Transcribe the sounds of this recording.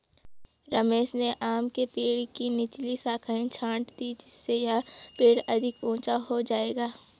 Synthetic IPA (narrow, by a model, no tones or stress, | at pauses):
ɾɐmeːʃneʔaːmkepeːɽkinɪt͡ʃlisaːkʰaːĩt͡ʃʰãːʈd̪id͡ʒɪsːejapeːɽɐd̪ʱɪkũːt͡ʃaɦod͡ʒaːeːɡaː